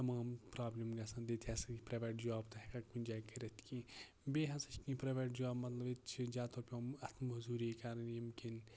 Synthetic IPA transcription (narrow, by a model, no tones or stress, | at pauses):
t̪ɐmaːmpɾaːblʲimɡɐsɐ̃nd̪et̪ʰɐsɐpɾɐʋʲeːʈd͡ʒaːbt̪ɐɦekɐkunʲd͡ʒaːkɐɾet̪ʰkĩː | beːɦɐsɐt͡ʃkĩːpɾɐʋʲeːʈ̚d͡ʒaːbmɐt̪lɐbit͡ʃʰd͡ʒʲaːt̪oːɾpʲomɐt̪ʰmzuːɾiːkɐɾɐnjimkin